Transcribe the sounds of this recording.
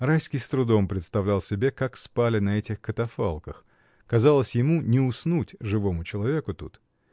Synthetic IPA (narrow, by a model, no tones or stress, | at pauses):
rajskʲɪjst̪ɾʊd̪o̞mpɾʲɪt̪st̪ɐvlʲalˠsʲɪbʲe̞kakspalʲɪnɐɛtʲɪxkət̪ɐfa̰lˠkəx | kɐzalˠəsʲjɪmunʲɪʊsnutʲʐɨvo̞mʊt͡ɕɪlˠɐvʲe̞kʊt̪ut̪